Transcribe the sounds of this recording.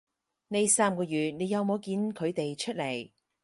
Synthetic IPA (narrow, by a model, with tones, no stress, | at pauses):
ne˨˧jsaː˥mkɔː˧jyː˨t̚ne˨˧jɐ˨˧wmo˨˧wkiː˨˧nkʰɵ˨˧ɥt̪e˨jt͡ʃʰɵ˥t̚le˨˩j